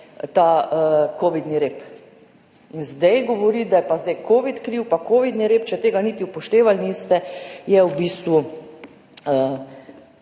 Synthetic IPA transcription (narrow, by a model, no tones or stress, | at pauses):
t̪aəkoːʋid̪niɾeːp | inzd̪ɛjɡɔʋɔɾid̪ajɛpazd̪ɛjkʰoːʋit̪kɾiwpakoːʋid̪niɾeːpt͡ʃɛt̪eːɡanit̪iupɔʃt̪eːʋalnist̪ɛjɛwbiːst̪ʋu | ə